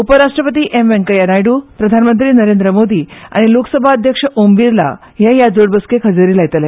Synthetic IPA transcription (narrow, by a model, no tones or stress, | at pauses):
upəɾaʂʈɾəpət̪̬iːʔemʋẽŋkəjənajɽuːpɾəd̪ʱanmənt̪ɾiːnəɾend̪ɾəmod̪ʱiːa̰ɽ̃iloksəbʱaəd̪ʱjəkʂəʔomʋiɾla̰ | ɦjẽjad͡zoɽbəskekʰəd͡zəɾiːlaɡt̪əle